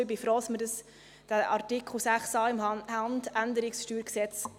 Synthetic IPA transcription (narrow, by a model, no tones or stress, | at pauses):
bɪfɾɔːsmədəs | d̥æʔɑɾtɪkʰχl̩sæχsɑːɪmhɑndændəɾɪksʃtyːɾksɛt͡s